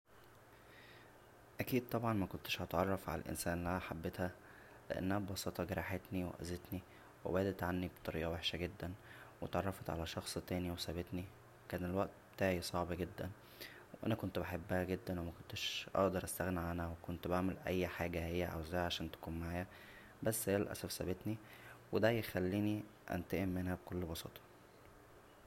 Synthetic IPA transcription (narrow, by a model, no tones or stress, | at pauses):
ʔækiːd̪̚t̪ˤɑbʕɑnmækont̪e̥ʃʔɑt̪ʕɑrˤːɑfʕa̰læ̰lʔḛnsæːnlæħabːet̪hæ | leʔæ̰nːhæbbɑsɑt̪ˤɑɡæɾˤɑħet̪niwḛʔæ̰zet̪ni | wḛbæːd̪æt̪ʕanːibe̥t̪ˤːɑɾḭːʔɑweħʃæɡed̪ːænwet̪ʕɑ̰rˤːɑfɑt̪ʕa̰læʃɑxsˤt̪æːniwesæbet̪ni | wekæːnelwæʔt̪be̥t̪aːʕisˤɑʕbɑɡed̪ːæn | weʔæ̰nækont̪beħebːæhæɡed̪ːænwemækont̪æʃʔɑ̰ʔd̪ɑɾˤʔæst̪æɣneʕʔænæwekont̪baʕmelʔæ̰jːħaːɡæhejːæʕa̰wzæhæʕaʃæːnt̪æ̥kuːnmaʕaːjæ | bæsːeælʔæ̰sæfsæ̰bet̪niwed̪æjexælːiːni | ʔæ̰nt̪eʔemːenhæbekolːbɑsɑ̰ːt̪ˤɑ̥